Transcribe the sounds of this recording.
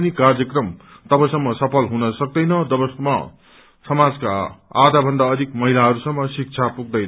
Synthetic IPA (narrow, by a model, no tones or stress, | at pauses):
nikard͡zjʌkrʌm | t̪ʌbʌsʌmːʌsʌpʰʌlɦunʌsʌk̚d̪ʌjnʌd̪ʌbʌsmʌ̰ | sʌmad͡zka̰ːd̪abʱʌnd̪aʌd̪ʱikmʌɦilaɦʌɾusʌmːʌsik̚t͡sʰapuɡ̚d̪ʌjnʌ